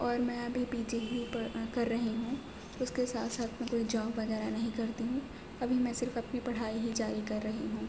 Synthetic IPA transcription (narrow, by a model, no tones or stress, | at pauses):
ɔːɾmɛ̃ɐbʱibiːd͡ʒeɦikɐɾːɐɦiɦũː | ʊskesaːt̪ʰsaːt̪ʰmɛ̃koːid͡ʒɔːbʋɐɣɛːɾanɐɦĩkɐɾt̪iɦũː | ɐbʱimɛ̃ːsɪɾfɐpnipɐɽ̤aːiɦid͡ʒaːɾikɐɾːɐɦiɦũː